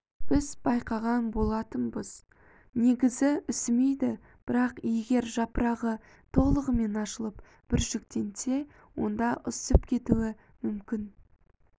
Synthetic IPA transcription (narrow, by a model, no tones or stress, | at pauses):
b̥ɪzbɑjqɑʁɑnbo̞lˠɑt̪ənbəz̥ | ne̞ɡʲɪzɪʏsɪme̞jd̪ɪ | b̥ɪɾɑqje̞ɡʲe̞ɾʒɑpəɾɑʁə | t̪ʰo̞lˠəʁəme̞nɑʃəlˠəp | b̥ɪɾʒʏkt̪e̞nse̞ | wo̞̰nd̪ɑʔʊsəpkʲʰe̞t̪uɪ | mʏmkʲɪn